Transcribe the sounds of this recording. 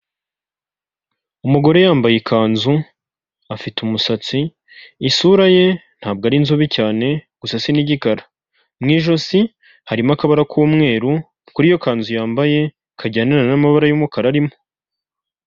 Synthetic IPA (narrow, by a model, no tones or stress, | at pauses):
umuɡo̞ɾe̞jaːmbajekʰaːnzu | afitumusat͡siː | suɾaje̞n̥haːb̚ɡaɾinzuβicaːne̞ɡ̥usasiniɟikaɾḁ | mŋiːʒo̞si | haɾimakaβaɾakʰuːmŋe̞ːɾu | kuɾijo̞kaːnzujaːmbaje̞ | kʰaɟaːnaɾanamaβaɾajumukaɾaɾimo̥